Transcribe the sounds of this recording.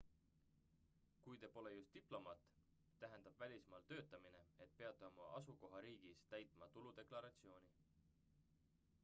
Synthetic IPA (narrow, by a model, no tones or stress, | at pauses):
kujt̪e̞ːpo̞le̞just̪ːiplo̞mɑːt̪ | t̪æɦend̪̥ɑb̥vælʲismɑːlt̪ø̞ːt̪ːˑɑmine̞e̞t̪pe̞ɑt̪ːˑeomɑʔɑsuko̞ɦɑɾiːɡ̥ist̪æjt̪ˑmɑt̪ulud̪e̞klɑɾɑt̪sio̞ːni